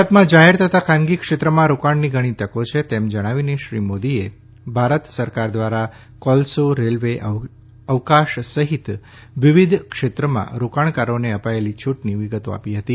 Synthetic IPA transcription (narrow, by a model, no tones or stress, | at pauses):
ət̪mãd͡ʒaɦeɾt̪ʰət̪akʰãnɡikʂet̪ɾəmãɾukaɳniɡʱəɽ̃it̪əkot͡ʃʰet̪emd͡ʒəɽ̃aʋineʃɾimod̪ie | bʱaɾət̪səɾkaɾd̪ʋaɾa | kɔlsoɾelʋeʔ | əʋkaʃsəɦit̪ | ʋiʋid̪ʱkʃet̪ɾəmã̰ɾukaɳ̃kaɾoneəpaelit͡ʃʰuʈniʋiɡət̪o̰a̰piɦət̪i